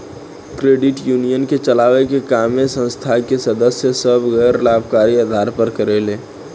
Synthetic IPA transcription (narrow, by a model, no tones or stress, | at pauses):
kɾeːɖɪʈjuːnijənket͡ʃəlaːʋekekaːmesə̃nst̪ʰakesəd̪əsjəsəbɣɛjɾlaːbkaːɾiad̪ʱaːɾpəɾkəɾeleː